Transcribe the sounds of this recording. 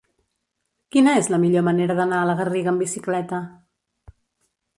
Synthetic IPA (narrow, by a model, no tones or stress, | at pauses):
kinəezləmiʎoməneɾəðənaələɣəriɣəmbisiklɛt̪ə